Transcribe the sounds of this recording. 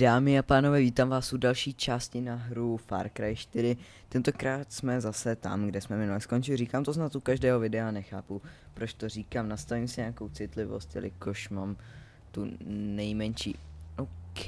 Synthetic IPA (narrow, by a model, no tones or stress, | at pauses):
d̥aːmɪapaːno̞vɛːviːt̪amvaːsudalʃiːt͡ʃaːscɪnaɦɾufa̰ɾkɾajʃt̪ɪɾɪ | t̪ɛnt̪okɾaːt̪smɛzasɛt̪a̰mɡdɛsmɛmɪnulɛskont͡ʃɪlɪriːkaːmt̪oznat̪ʔukaʒdɛːɦo̞vɪdɛanɛxa̰ːpu | pɾot͡ʃt̪o̞riːkaːmnast̪avimsɪɲɛako̞wt͡sɪt̪lɪvo̰st̪jɛ̰lɪ̰koʃmaːm | t̪unɛjmɛnʃḭːok